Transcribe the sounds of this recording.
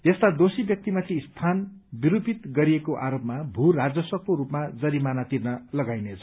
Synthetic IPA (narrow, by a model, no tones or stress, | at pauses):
jest̪ad̪osibjʌk̚t̪imat̪ʰist̪ʰan | biɾupit̪ɡʌɾiekoʔaɾopmabʱurad͡zʌsʌkːoɾupmad͡zʌɾimanat̪irnʌlʌɡajnet͡sʰʌ̥